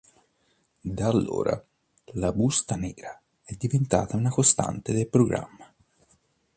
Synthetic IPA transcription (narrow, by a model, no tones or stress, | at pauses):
d̪aːlːo̰ːɾʔa̰ | labust̪anɛːɾa | ɛd̪ːivent̪a̰ːt̪aunakost̪a̰nt̪ed̪elpɾoɡɾa̰mːa